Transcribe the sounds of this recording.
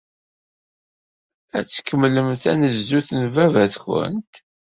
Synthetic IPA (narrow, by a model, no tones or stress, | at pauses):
æt͡sːkːəmːləmθæ̰nəzːuθnvævæθçə̰nt̪